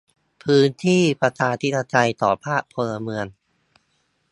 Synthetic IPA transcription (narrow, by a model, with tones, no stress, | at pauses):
pʰɯː˦˥nt̪ʰiː˥˩pa˧t͡ɕʰaː˧t̪ʰi˦˥t̪a˧t͡ɕa˧jt̪ɔː˨˩pʰaː˥˩k̚pʰːo˧lla˧mɯ˧ən